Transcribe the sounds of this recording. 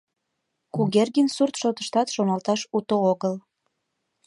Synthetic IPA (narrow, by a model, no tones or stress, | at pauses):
kuɣerɣinsurt̪ʃot̪əʃt̪ɑt̪ʃonɑlt̪ɑʃut̪ooɣəl